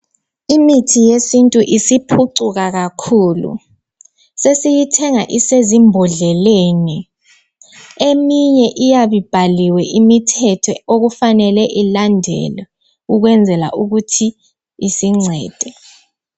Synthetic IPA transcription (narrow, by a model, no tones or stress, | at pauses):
imitʰijesintʼuʔisipʰuǀuɣaɣakʰuːlṵ | sesijitʰɛŋaʔisezimbʱɔɮɛleːni | emiɲɛʔijaβib̥ʱaliwɛʔimitʰɛtʰɔoɣufanɛlɛʔilandʱɛ̰lɔ | uɣwɛnd͡zʱɛla̰ʔuɣutʰi | isiŋ͡ǀʱɛːd̥ʱɛ